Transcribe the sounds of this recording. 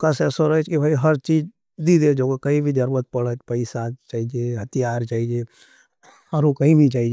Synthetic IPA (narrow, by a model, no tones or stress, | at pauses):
kɐsɛːsoɾəɦɛt͡ʃkibʱaːiɦɐɾt͡ʃiːd͡ʒ | d̪id̪ed͡ʒokakɐĩbʱid̪əɾuɾət̪̚pɐɽət͡ʃpɐɪsat͡ʃaːɦid͡ʒeɦɐt̪ijaːɾt͡ʃaːɦid͡ʒe | ɔɾokɐĩbʱit͡ʃaːɦid͡ʒ